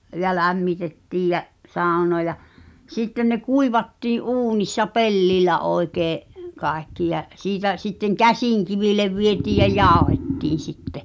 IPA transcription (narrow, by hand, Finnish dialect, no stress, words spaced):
jɑ læmːitetːiːj jæʔ sɑˑu̞noɑ jɑ sitːen ne kuiʋɑtːiːʔ ʔuːnisːɑ pelːilˑæ oi̞keːʔ kɑekːi jæʔ siːtæ sitːeŋ kæsiˑŋkiʋileʋ ʋietiːj jɑ jɑˑu̞hetːiːn̞ sitːe